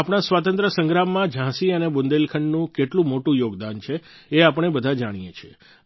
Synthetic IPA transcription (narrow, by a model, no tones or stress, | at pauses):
apɽ̃asʋat̪̬ənt̪ɾəsə̃ŋɡɾamːãd͡ʒʱãsiənebʊnd̪elkʰəɳɖnũkeʈlũmoʈũjoɡd̪ant͡ʃʰeː | apəɳ̃ebəd̪ʱad͡ʒaɽ̃ijet͡ʃʰḛ